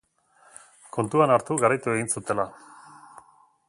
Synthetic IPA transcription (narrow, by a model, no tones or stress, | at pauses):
ko̞nt̪uanaɾt̪uɣaɾajt̪ue̞ɣinsut̪e̞la